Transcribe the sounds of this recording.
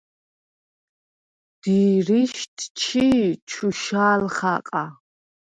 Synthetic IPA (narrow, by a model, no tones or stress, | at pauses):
d̪̥iːɾiʃt̪ʼʰt͡ʃʰit͡ʃʰuʃaːlχaqʼa